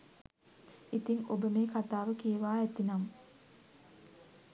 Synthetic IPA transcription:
it̪iŋobəmeːkat̪aːʋəkijeʋaːɛt̪inamə

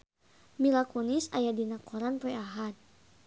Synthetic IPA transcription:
milakɔnisajadinakɔɾanpɛaɦat̪̚

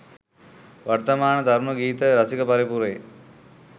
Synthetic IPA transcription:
ʋɐɾt̪ɐmaːɳɐd̪ʱɐɾmɐɡiːt̪ɐɾɐsikɐpɐɾipuɾej

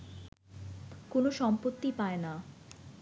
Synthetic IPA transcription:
konoʃɔmpot̪ːipaena

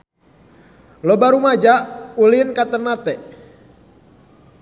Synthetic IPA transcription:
lɔbaɾumad͡ʒaʔulinkat̪ənat̪ɛʔ

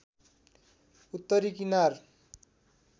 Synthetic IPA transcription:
ut̪ːʌɾikinar

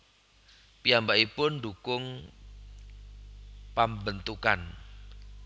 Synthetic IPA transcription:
piambaʔipʊnɖukʊŋ | pambənt̪uka̰n

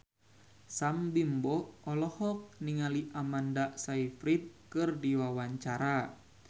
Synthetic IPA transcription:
sambimbɔɔlɔhɔk̚niŋaliʔamandasaifɾit̪̚kɨrdiwawaɲt͡ʃaɾa

